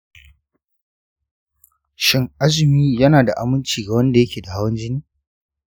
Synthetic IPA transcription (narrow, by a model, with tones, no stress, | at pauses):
ʃɪ˦ŋʔa˦zɪ˨miː˦jɐ˦naː˨da̰˨ʔa̰˨mʊ˦nt͡ʃiː˨ɡa˨wɐ˦nda˨jɐ˦kʲeː˨da˨ha˦wɐ˦nd͡ʒɪ˦niː˦